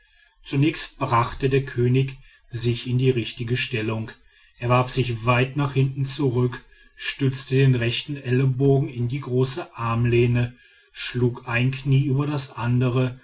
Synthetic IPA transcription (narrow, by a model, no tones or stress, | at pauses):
t͡sunɛːçst̚b̥ʁaχtədeːɐkʰøːnɪç | zɪçɪndiːʁɪçtɪɡəʃtɛlʊŋ | ʔeːɐvaɐfz̥ɪçv̥aɪtnaːχhɪntn̩t͡suʁʏk | ʃtʏt͡stədeːnʁɛçtn̩ʔɛləboːɡŋ̩ɪndiːɡʁoːsəʔaɐmleːnə | ʃluːkʔaɪnkniːʔyːbɐdasʔandəʁ̞ə